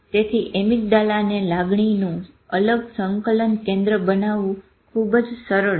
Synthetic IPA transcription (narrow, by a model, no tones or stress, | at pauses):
t̪et̪ʰiʔemik̚d̪alanelaɡɳinũ | ələɡsəŋkələnkẽnd̪ɾəbənaʋũ | kʰubd͡ʒsəɾəɭ